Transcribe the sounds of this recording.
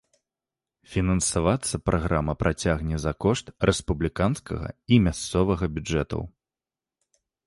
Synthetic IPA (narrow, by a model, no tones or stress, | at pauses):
fʲinɐnsavat̪sːɐpɾʔaɣɾʔamɐpɾʔat͡sʲaɣnʲɛzɐkɔʂt̪rɛspublʲikanskɐ̰ɣɐ̰imʲast̪sɔvɐɣɐbʲud͡ʐɛt̪ɐ̰w